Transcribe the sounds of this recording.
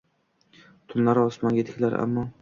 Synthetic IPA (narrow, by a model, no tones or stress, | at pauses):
t̪ʰʊnlaɾɒsmɒnɡʲet̪ɪ̥kʲʰlaɾa̰mːɒ